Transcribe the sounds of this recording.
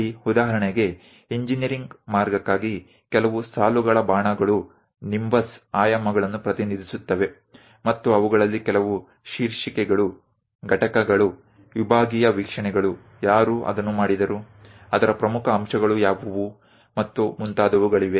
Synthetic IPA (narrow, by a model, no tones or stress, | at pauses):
iud̪aːɦɐɾɐɳɛɡe̞ | iɲd͡ʒinjɐɾiŋɡmaːɾɡɐkːaːɡi | kɛlɐʋusaːluɡɐɭɐbaːɳɐɡɐɭu | nimʋɐsaːjɐmɐɡɐɭɐnːupɾɐt̪inid̪isut̪ːɐʋe̞ | mɐt̪ːuɐʋuɡɐɭɐlːikɛlɐʋu | ʃiːɾʂikɛɡɐɭu | ɡʱɐʈɐkɐɡɐɭu | ʋibʱaːɡijɐʋikʂɐɳɛɡɐɭu | jaːɾuʔɐ̰d̪ɐnːumaːɽid̪ɐɾu | ɐd̪ɐɾɐpɾɐmukʰɐːmʂɐɡɐɭujaːʋɐʋu | mɐt̪ːumunt̪aːd̪ɐʋuɡɐɭiʋe